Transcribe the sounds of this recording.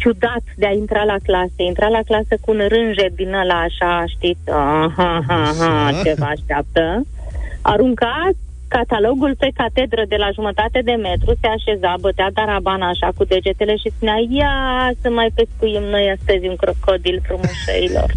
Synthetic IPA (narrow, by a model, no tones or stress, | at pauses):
t͡ʃud̪at̪d̪eaint̪ɾalaklasəint̪ɾalaklasəkuːnɾɨnʒed̪inəlaːʃaʃt̪it̪sʲaɦaɦaɦat͡ʃevaːʃt̪eap̚t̪ə | a̰ɾuŋka | kat̪alo̞ɡulpe̞kat̪e̞d̪ɾəd̪e̞laʒumət̪at̪ed̪e̞me̞t̪ɾuse̞aʃe̞zabət̪ead̪aɾabanaːʃakud̪e̞d͡ʒe̞t̪e̞le̞ʃispunʲajasəmajpeskujimno̞jast̪əzʲunkokod̪ilpɾumuʃḛilo̰r